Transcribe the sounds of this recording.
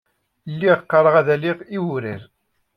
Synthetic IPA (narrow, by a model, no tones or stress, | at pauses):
lːiʁqːɑɾˤəʁæðæliʁiwɾiɾ